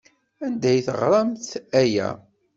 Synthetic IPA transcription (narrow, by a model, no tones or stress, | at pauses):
ænd̪æjθəʁɾˤɑmθæjæ̰